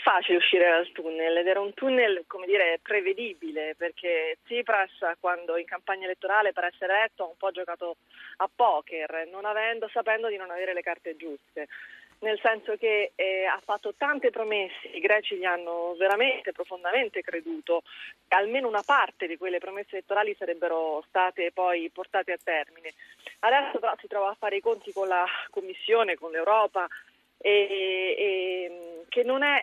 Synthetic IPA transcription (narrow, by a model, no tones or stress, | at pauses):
ɛfːaːt͡ʃileuʃːiːɾed̪alt̪unːelɛd̪ɛːɾaunt̪unːelkomed̪iːɾepɾeved̪iːbileperk̟et̪sipɾaskwand̪oiŋkampaɲːaelet̪ːoɾaːlepeɾɛsːeɾelɛt̪ːoaumpɔd͡ʒokaːt̪o | apːɔːkernonavɛnd̪osapɛnd̪od̪inonaveːɾelekart̪ed͡ʒust̪enelsɛnsok̟eafːat̪ːot̪ant̪epɾomesːeiɡɾɛːt͡ʃiʎianːoveɾament̪epɾofond̪ament̪ekɾed̪uːt̪oalmeːnounapart̪ed̪ikwelːepɾomesːelet̪ːoɾaːlisaɾɛbːeɾost̪aːt̪epɔjport̪aːt̪eat̪ːɛrminead̪ɛsːopeɾɔsit̪ɾɔːvaːfːaːɾeikont̪ikonlakomːisːjoːnekonlewɾɔːpa | e | mkenːonɛ